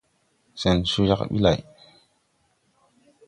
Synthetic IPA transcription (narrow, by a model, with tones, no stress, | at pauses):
sɛ˨nsu˦ja̰˦ka̰˨ɓḭ˦la̰˨j